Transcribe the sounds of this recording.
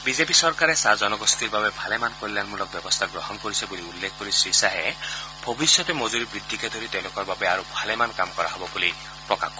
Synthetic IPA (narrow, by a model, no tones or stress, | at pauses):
bid͡ʒepisɔɾkaɾesad͡ʒɔnɔɡɔst̪iɾbabebʱalemankolilanmulɔk̚bjɔbɔst̪ʰaɡɾɔɦɔnkɔɾisʰɔbuliulːekʰɔkoɾisɾisaɦebʱɔbisjɔt̪ɔmɔd͡ʒuɾibɾid̪ʱːiked̪ʱoɾit̪ew̃lokɔɾbabeaɾubʱalemankamkɔɾaɦɔbɔbuli | pɾɔka̰k